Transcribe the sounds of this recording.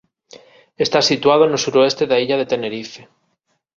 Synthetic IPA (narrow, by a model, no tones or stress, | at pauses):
est̪asit̪waðonosuɾoest̪eðaiʎaðe̞t̪e̞neɾife